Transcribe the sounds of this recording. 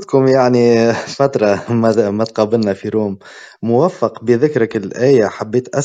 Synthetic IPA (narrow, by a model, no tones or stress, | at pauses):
t̪kuːmjaʕnifat̪ɾˤɑmæmæt̪̚qɑːbɪlnæfiɾuːmː | ʊwæfːəqbəðɪkɾəkɪlʔæːjaħabːeːt̪ʔæ